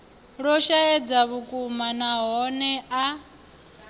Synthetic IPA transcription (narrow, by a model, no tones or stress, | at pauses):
ɺɔʃaɛd͡zaβukʼumanaɦɔnɛa